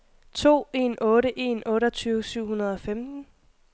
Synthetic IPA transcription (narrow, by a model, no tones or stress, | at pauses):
t͡sʰo̝̰ːe̝nɔ̽ːɾəʔe̝ːnɔ̽ːɾɐt͡sʰyːʊsyʊ̰hunɐð̞ˠɒ̽femd̥n̩